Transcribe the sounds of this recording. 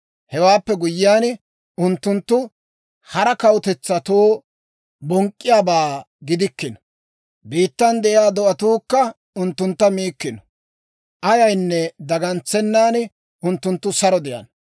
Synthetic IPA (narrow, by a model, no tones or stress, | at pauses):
hɛwaːpːɛɡʊjːɪjaːn | ʊnt̪ːʊnt̪ːʊ | hɐɾɐkɐwt̪ɛt͡sːɐt̪oː | bɔŋkʼːɪjaːbaː | ɡɪd̪ɪkːɪnɔ̥ | biːt̪ːɐnd̪ɛʔjaːd̪ɔʔɐt̪uːkːɐ | ʊnt̪ːʊnt̪ːɐmiːkːɪnɔ̥ | ʔɐjɐjnːɛd̪ɐɡɐnt͡sːɛnːaːn | ʊnt̪ːʊnt̪ːʊsɐɾɔd̪ɛjɐ̰n